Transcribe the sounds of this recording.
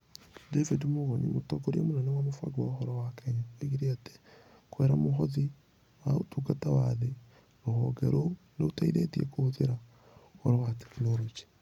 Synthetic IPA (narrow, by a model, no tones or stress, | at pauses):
devidmoɣonḭmotoɡoɾjamonɛnewamofwa̰ɡowaxɔɾɔwakeɲaeɣiɾeate̥ | kwɛːɾamoxoði | waotuɡatawaðe | ɾoho̰ɡḛɾʔoneotaiɾetiḛkooðeɾa | hɔɾɔwate̥kinolod͡ʒi̥